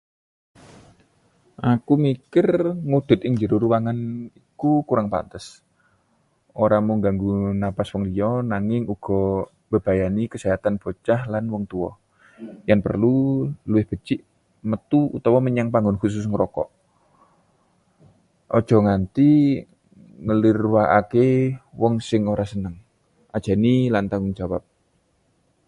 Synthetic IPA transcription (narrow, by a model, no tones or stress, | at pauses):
ʔakumikɪrŋud̪̥ʊ̤t̪̚ɪŋd͡ʒəɾʊɾuwaŋanikukuɾaŋpa̰nt̪əs | ʔoɾamʊŋɡaŋɡunapaswɔŋliɔnaŋɪŋuɡ̥ɔ̤ | b̥əb̥ajanikəseɦat̪anb̥o̤t͡ʃahlanwɔŋt̪uɔ | jaŋpə̰rluluwɪhb̥ə̤t͡ʃɪʔ | mət̪uṵt̪ɔwɔməɲaŋpaŋɡʊnkus̬ʊs̬ŋəɾɔkɔ̰ʔ | ʔɔd̥ʒ̥ɔ̤ŋant̪i | ŋəliɾwaʔa̰kewɔŋsɪŋoɾasənəŋ | ʔad̥ʒ̥a̤nilant̪aŋɡʊŋd͡ʒawap̚